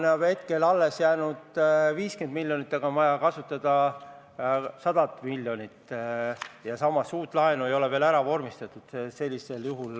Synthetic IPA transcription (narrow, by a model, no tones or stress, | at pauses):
neɑbe̞t̪̚ke̞lɑlːe̞sjæːnud̪̥viːske̞nd̪̥milʲːjo̞nit̪ːˑɑɡɑnmɑjɑkɑsut̪ːˑɑd̪̥ɑ | sɑd̪̥ɑt̪ːˑmilʲːjo̞nit̪ː | jɑsɑmːɑsuːt̪ːˑlɑenue̞jo̞leve̞ːlæɾɑvo̞rmist̪ɑt̪ːud̪̥se̞lʲːise̞ljuɦul